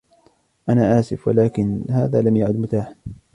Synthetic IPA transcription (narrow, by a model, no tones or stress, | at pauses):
ʔanaːʔaːsɪfwalaːkɪnhaːðaːlamjaʕʊd̪mʊt̪aːħ